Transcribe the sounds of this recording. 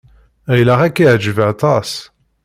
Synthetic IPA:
æjlæʁækːiʕd͡ʒəvəʕt̪ˤɑs

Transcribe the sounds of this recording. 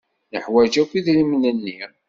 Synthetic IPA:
nəħwæd͡ʒækʷːiðləmnənːi

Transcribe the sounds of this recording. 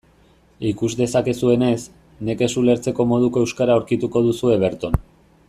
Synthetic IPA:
ikuzd̪e̞sake̞sue̞ne̞s | ne̞ke̞sule̞ɾt͡se̞ko̞mo̞ð̞ukoe̞wskaɾaoɾkit̪uko̞ð̞usue̞β̞e̞ɾt̪on

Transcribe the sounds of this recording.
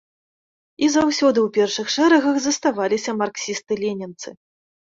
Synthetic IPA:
izawsʲɔd̪ɨwpʲɛrʂɨxʂɛɾɐɣɐɣzɐst̪avalʲisʲɐmarksʲist̪ɨlʲenʲɛnt̪sɨ

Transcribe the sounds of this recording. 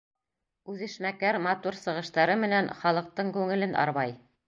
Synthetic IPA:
ʉðɘ̆ʃmækæɾmɑt̪uɾsɤ̆ʁɤ̆ʃt̪ɑɾɤmɘ̆nænχɑlˠɤ̆q̚t̪ɤɴkʉŋɘ̆lɘnɑ̰ɾβɑj

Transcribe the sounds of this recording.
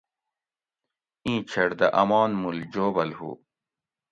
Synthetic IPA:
ĩːt͡ɕʰɐɽd̪ɐʔɐmɑːnmuld͡ʑoːbɐlhṵː

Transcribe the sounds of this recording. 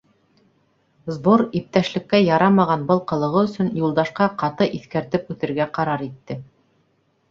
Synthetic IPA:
zboɾip̚t̪æʃlɘ̆kːæjɑɾɑmɑʁɑnbɤlˠqɤ̆lˠɤ̆ʁɤɵ̆sɵ̆njulˠd̪ɑʃqɑqɑt̪ɤʔiθkæɾt̪ɘpʉθɘ̆ɾɡæqɑɾɑɾit̪ːɘ

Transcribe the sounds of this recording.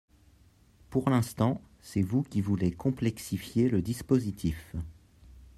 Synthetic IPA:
puʁlɛ̃st̪ɑ̃ | sɛvukʲivulekɔ̃plɛksifjeləd̪ispozit̪ʰif

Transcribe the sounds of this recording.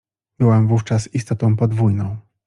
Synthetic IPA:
bɘwɛmvuft͡ʂasist̪ɔt̪ɔ̃w̃pɔd̪vujnɔ̃w̃

